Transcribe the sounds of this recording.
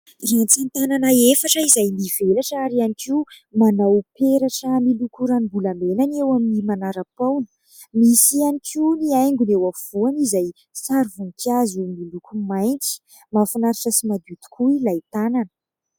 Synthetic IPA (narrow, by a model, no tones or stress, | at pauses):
rant͡sant̪ananəefaʈ͡ʂəizajmivelaʈ͡ʂaɾianiki | manawpeɾaʈ͡ʂəmilukuɾanibulamelanewaminimanaɾəpawnə̥ | misianikʰiniajŋɡunewafuanizaj | saɾvuŋkazumilukumajnt͡si̥ | mafanaɾiʈ͡ʂəsimad̪ut̪u̥kuilajt̪ananə̥